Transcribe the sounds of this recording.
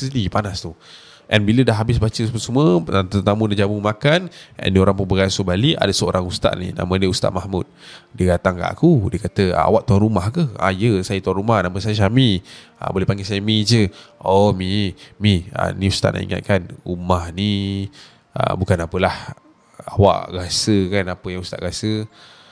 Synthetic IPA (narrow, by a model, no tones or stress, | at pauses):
snipanast̪u | ʔɛnbilədaɦːabɪsbat͡ʃəpəsəmuət̪ət̪amũdad͡ʒamumakanʔɛ̰ndioɾaŋpunbəɡasobaliʔa̰dəsəo̰ɾʔaŋust̪a̰ʔnḭna̰mə̃nəust̪a̰ʔ̪mahmut̪̚dəɡat̪aŋka̰ʔa̰kudəkat̪əa̰a̰waʔt̪uanɾumahkəha̰jəsajət̪uanɾumahnaməsajəs̬amiʔa̰bolehpaŋɡesajəmit͡ʃəɔmimia̰nĩust̪a̰ʔnʔa̰ʔḭŋa̰t̪̚kanumahni | ʔə̰bukanapəlah | a̰wa̰ʔɡasəkanapəjaŋust̪a̰ʔɡasə